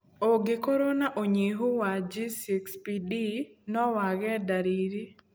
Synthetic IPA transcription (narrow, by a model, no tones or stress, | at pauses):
oɡekoɾonaʔoɲeɦowad͡ʒisikspidinɔwaɡɛdaɾiɾi